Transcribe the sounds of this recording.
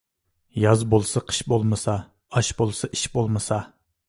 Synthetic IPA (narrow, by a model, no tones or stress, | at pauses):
jɑzbolˠsɑqʰə̥ʃbolˠmɨsɑ | ɑʃbolˠsɑʔiʃbolˠmɨsɑ